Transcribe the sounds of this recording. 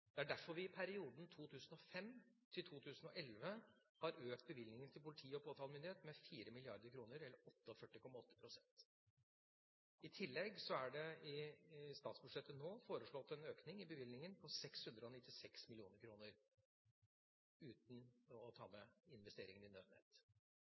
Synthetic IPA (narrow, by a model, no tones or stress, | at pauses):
d̪̥ɛæɖæɾfɔɾʋɪɪpʰæɾɪuːd̪n̩t̪ʰuːt̪ʰʉːsn̩ɔfɛmt̪ʰɪlt̪ʰuːt̪ʰʉːsən̩ɔʔɛlʋə | hɑɾøːkt̪̚bəʋɪlnɪŋənt̪ɪlpʊlɪt̪ʰiːəɔpʰoːt̪ʰɑːlmʏnd̪ɪeːt̪mɛfiːɾəmɪlɪɑɾd̪əɾkʰɾuːnəɾɛlːəɾɔt̪ːəɔfœʈːɪkʰɔmːɑɔt̪ʰːə̥pʰɾʊsɛnt̪ | ɪt̪ʰɪlːɛɡsɔæɖɛɪst̪ɑːt̪sbʉʂɛt̪ːənoːfoːɾəʂɭɔt̪ːɛnøːknɪŋɪbəʋɪlnɪŋənpʰɔsɛkshʉnd̪ɾəɔnɪt̪ːɪsɛksmɪlɪuːnəɾkʰɾuːnəɾ | ʉːt̪n̩ɔt̪ʰɑ̰ːmɛɪnʋɛst̪eːɾɪŋənɪnøʋnḛːt̪